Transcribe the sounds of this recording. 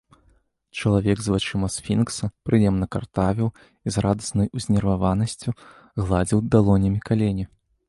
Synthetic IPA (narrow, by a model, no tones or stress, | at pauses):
t͡ʂɐlˠavʲɛɡzvat͡ʂɨmɐsfʲinksɐpɾɨjɛmnɐkart̪avʲiw | izrad̪ɐsnɐjuzʲnʲɛrvavanɐsʲt͡sʲu | ɣlˠad͡zʲiwd̪alˠɔnʲɐmʲikalʲenʲi